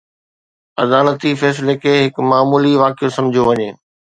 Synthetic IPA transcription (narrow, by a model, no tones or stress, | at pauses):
ɐ̰d̪aːlət̪ifɛːs̬ɪlekʰeːɦɪkmaːmuːliʋaːkijosɐ̃md͡ʑʱijoʋɐɲeː